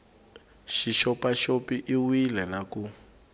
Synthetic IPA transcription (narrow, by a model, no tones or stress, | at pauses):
ʃiʃɔpaʃopiʔiwilɛlaku